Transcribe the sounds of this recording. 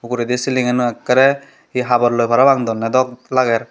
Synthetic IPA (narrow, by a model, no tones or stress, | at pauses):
ukuɾɛd̪esiliŋɛnuɛkːaɾɛ | hiɦabɔɾlojpʰaɾabaŋd̪ɔnːɛd̪ɔk̚laɡɛɾ